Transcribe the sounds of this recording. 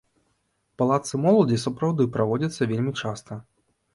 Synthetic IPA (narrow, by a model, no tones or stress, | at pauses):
palˠat̪sɨmɔlˠɐd͡zʲisɐpɾawd̪ɨpɾavɔd͡zʲɐt̪sːɐvʲelʲmʲit͡ʂast̪ɐ